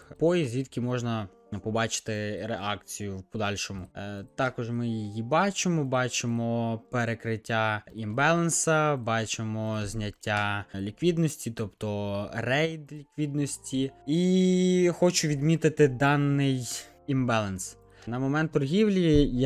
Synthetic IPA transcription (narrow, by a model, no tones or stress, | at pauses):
pɔjizʲʋʲid̪kʲimɔʒnɐ | pɔbɑt͡ʃɪ̥t̪ɪɾeʔɑk̚t͡sʲijʊwpɔd̪ɑlʲʃɔmʊt̪ɑkɔʒmɪjijibɑt͡ʃɪmɔbɑt͡ʃɪmɔpeɾekɾɪtʲːaimbɛlˠɐnsɐbɑt͡ʃemɔzʲnʲɐtʲːalʲikʋʲid̪nɔsʲtʲit̪ɔpt̪ɔrɛjd̪lʲikʋʲid̪nɔsʲtʲii | xɔt͡ʃʊʋʲid̪mʲit̪ɪt̪ɪd̪ɑnːɪj | imbɛlˠɐns | nɐmɔmɛnt̪ːʊɾɦʲiwlʲij